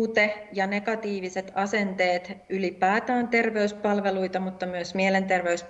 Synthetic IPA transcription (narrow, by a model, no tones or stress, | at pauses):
t̪ejɑne̞kɑt̪iːʋiset̪ɑsent̪eːt̪ylipæːt̪æːnt̪e̞rʋeyspɑlʋeluit̪ɑmut̪ːɑmyøsmielent̪erʋeys